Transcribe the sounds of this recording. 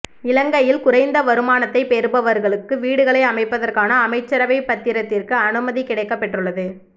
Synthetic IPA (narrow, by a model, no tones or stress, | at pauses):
ɪlɐŋɡɐjɪlkʊɾɐɪnd̪ɐʋɐɾɯmaːnɐt̪ːɐɪpeːɾɯbɐʋɐɾɣɐɭɯkːɯʋiːɽɯɣɐɭɐɪɐmɐɪpːɐðɐrkaːnɐːmɐɪt͡ʃːɐɾɐʋɐɪpːɐt̪ːɪɾɐt̪ːɪrkɯɐnɯmɐðikɪɽɐɪkːɐpːɛʈːrɯɭːɐðɯ